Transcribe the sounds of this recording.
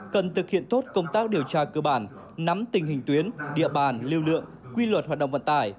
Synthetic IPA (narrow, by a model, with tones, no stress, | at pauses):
kə˨˩nt̪ʰɨ˨˩k̚hḭ˧˨ənt̪o˦˥t̚kə˧wŋ͡mt̪aː˦˥k̚ɗi˨˩əwt͡ɕaː˧kəː˧ɓaː˧˩n | na˨˦mt̪ï˨˩ŋ̟hï˨˩ŋ̟t̪wi˨˦ənɗḭ˧˨əɓaː˧˩nli˧wlɨ̰˧˨əŋ | kwi˧lwə˨˩t̚haː˨˩ɗə̰˧˨ŋ͡mvə̰˧˨nt̪aː˧˩j